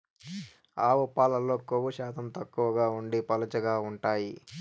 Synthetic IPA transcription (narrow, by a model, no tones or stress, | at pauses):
aːʋupaːlɐlo̞ːkoʋuʃaːt̪ʰɐmt̪ɐkːuʋɐɡaːuɳɖipɐlɐt͡ʃɐɡaːuɳʈaːji